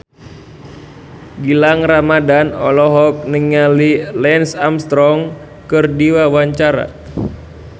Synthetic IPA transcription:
ɡilaŋramadanɔ̰lɔɦɔk̚niŋalilɛnsamst̪ɾɔŋ | kɨrdiwawaɲt͡ʃaɾa̰

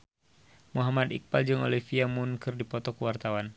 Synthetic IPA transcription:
muɦamad̪ḭk̚pald͡ʒɨŋo̰lifiamunkɨrdipɔt̪ɔkəwart̪awan

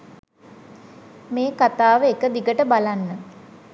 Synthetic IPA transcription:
meːkat̪aːʋəekəd̪ikəʈəbalanːə

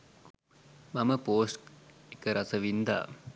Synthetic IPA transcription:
mɐməpoːskekəɾɐsəʋind̪a̰ː

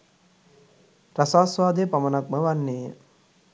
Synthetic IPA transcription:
ɾasaːsʋaːd̪ejpamənak̚məʋanːeːə

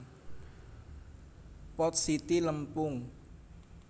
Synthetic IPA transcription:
pɔt̪̚sit̪iləmpʊŋ

